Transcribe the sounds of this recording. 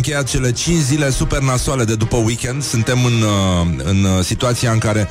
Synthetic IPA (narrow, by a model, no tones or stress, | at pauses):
ŋkʲe̞jat̪t͡ʃe̞le̞t͡ʃint͡ʃzile̞supe̞rnasuale̞d̪e̞d̪upəwikʲe̞nd̪sɨnt̪e̞mɨnɨ̰nsit̪uat̪siaɨŋkaɾe̞